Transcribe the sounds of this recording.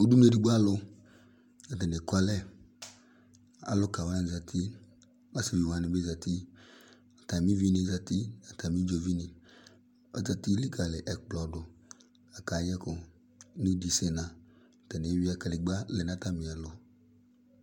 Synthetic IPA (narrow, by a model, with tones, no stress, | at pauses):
u˨˦du˦ne˦˨di˨ɡ͡ba˦lʊ˧ | a˨tɛ˨nɪ˨ka˧lɛ˦ | a̰˨lʊ˦ka˨wa˦na˨˧˨za˧tʰi˦ | a˦si˨vi˨wa˨˦nɪ˨be˦za˨ti˦ | a˨ta˨mi˦vi˦ni˧˨˦za˧ti˦a˨ta˨mi˦d͡ʒo˨˧vi˦nɪ˨ | ɔ̰˦za˨ti˦li˦ɡa˨lɪ˨ʔɛ˨k͡plɔ˨dʊ˨ | a˨ka˨jɛ˦kʊ˨˦ | nu˦di˨se˨nã˨ | a˨tɛ˨nɪ˨˦wi˦a˧ka˨˧lɪ˨ɡ͡ba˦lɛ˨na˦ta˦mɪ˨a˨lʊ˨